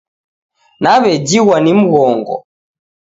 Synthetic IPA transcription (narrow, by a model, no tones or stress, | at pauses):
naβɛd͡ʒiɣwanim̩ɣɔŋɡɔ̰